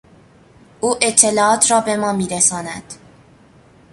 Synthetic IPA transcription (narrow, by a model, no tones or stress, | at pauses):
ʔuːʔe̞t̪ʰːe̞lɒːɒːt̪ʰrɒːbe̞mɒːmiːɾesɒːnæd̪̥